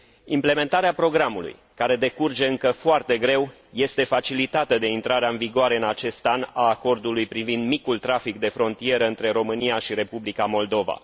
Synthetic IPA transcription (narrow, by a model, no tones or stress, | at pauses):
imple̞me̞nt̪aɾeapɾo̞ɡɾamulṵj | kaɾe̞d̪e̞kurd͡ʒe̞ɨŋkəfoart̪e̞ɡɾe̞w | je̞st̪e̞fat͡ʃilit̪at̪əd̪e̞int̪ɾaɾeaɨnviɡoaɾe̞ɨnat͡ʃe̞st̪anaːko̞rd̪ulujpɾivind̪mikult̪ɾafikd̪e̞fɾo̞nt̪ije̞ɾəɨnt̪ɾe̞ɾo̞mɨniaʃiɾe̞publikamo̞ld̪o̞va̰